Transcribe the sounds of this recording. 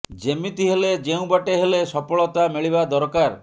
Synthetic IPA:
d͡ʒemit̪iɦeled͡ʒeũbaʈeɦelesɔpɔɭɔt̪ameɭibad̪ɔɾkaɾ

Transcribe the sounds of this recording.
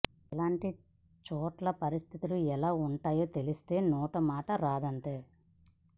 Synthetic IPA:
ɛlaːɳʈi | t͡ʃɔːʈlɐpɐɾist̪ʰit̪uluɛlaːuɳʈaːjoːt̪e̞list̪e̞ːnɔːʈɐmaːʈɐɾaːd̪ɐnt̪e̞ː

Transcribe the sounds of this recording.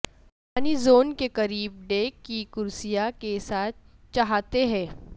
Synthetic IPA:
aːnizoːnkekɐɾiːb̚ɖeːkːikʊɾsijakesaːt̪̚ʰ | t͡ʃɐɦaːt̪eɦɛ̃ː

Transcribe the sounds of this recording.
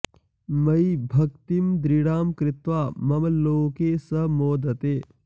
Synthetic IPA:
mɐjibʱɐkt̪imd̪ɾiɽaːmkɾɪt̪ʋaːmɐmɐloːkeːsɐmoːd̪ɐt̪eː

